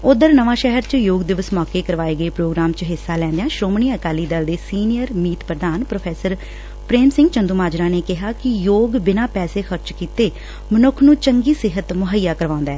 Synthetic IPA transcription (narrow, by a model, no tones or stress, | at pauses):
ʊd̪əɾnəʋãːʃɛɦəɾt͡ʃjoːɡd̪ɪʋəsmɔːkeːkəɾʋaːeːɡəeːpɾoːɡɾaːmt͡ʃɦɪsːaːlɛ̃ːnd̪ejãːʃɾoːmɳiːəkaːliːd̪əld̪eːsiːnɪjəɾmiːt̪pɾəd̪aːnpɾoːpʰɛːsəɾ | pɾeːmsɪ̃ŋɡt͡ʃənd̪uːmaːd͡ʒɾãːneːkɪɦaːkɪjoːɡbɪnãːpɛːseːxʰəɾt͡ʃkiːt̪eː | mənʊkʰnũːt͡ʃəŋɡiːsɪɦət̪mʊɦəjːaːkəɾʋãːʊ̃nd̪aːɛː